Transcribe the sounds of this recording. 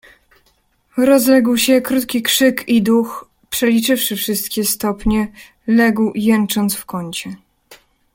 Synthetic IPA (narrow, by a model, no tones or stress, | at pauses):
ɾɔzlɛɡwɕɛkɾut̪kʲikʂɘkid̪ux | pʂɛlʲit͡ʂɘfʂɘfʂɘst̪kʲɛst̪ɔpɲɛ | lɛɡwjɛnt͡ʂɔnt̪sfkɔɲt͡ɕɛ